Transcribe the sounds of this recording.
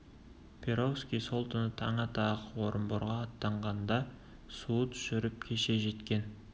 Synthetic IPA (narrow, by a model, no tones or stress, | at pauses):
pʰe̞ɾowskʲijso̞lˠt̪ʰənət̪ʰɑɴɑt̪ʰɑqwo̞ɾəmboɾʁɑːt̪ːɑɴʁɑnd̪ɑ | suət̪ʰʏ̥ʃɪɾɪp̚kʲʰe̞ʃe̞ʒe̞t̪kʲe̞n